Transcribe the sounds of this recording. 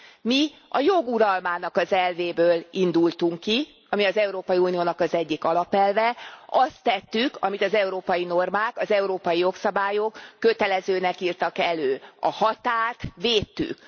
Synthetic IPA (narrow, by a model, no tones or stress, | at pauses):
miɒjo̞ɡuɾɒlmaːnɒkɒzɛlveːbøːlind̪ult̪uŋkːi | ɒmiɒzɛuɾoːpɒjiunijoːnɒkɒzɛɟːikɒlɒpɛlvɛɒst̪ːɛt̪ːykʰɒmit̪ɒzɛuɾoːpɒjino̞rmaːkɒzɛuɾoːpɒjijo̞ksɒbaːjo̞kːø̞t̪ɛlɛzøːnɛkiːrt̪ɒkɛløːɒ̰hɒt̪aːrt̪ʋeːt̪ːy̰k